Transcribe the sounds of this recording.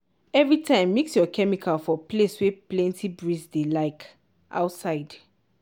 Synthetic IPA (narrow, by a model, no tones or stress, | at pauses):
ɛvɹitʰãɪ̃mːiksjɔkʰɛmikʰalfɔpleswɛplɛ̃ntʰibɹisdelaɪk | ʔa̰ʊtsaɪd̥